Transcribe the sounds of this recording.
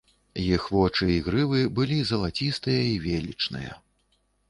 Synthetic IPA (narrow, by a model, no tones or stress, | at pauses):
jixvɔt͡ʂɨiɣɾɨvɨbɨlʲizɐlˠat͡sʲist̪ɨjɐivʲelʲḭt͡ʂnɨ̰jɐ̰